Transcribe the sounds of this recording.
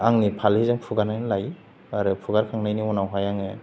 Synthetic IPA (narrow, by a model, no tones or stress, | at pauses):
aŋnipʰalizaŋpʰuɡaɾnajnlaj | aɾɯpʰuɡaɾkʰaŋnajniɔnawɦajaŋe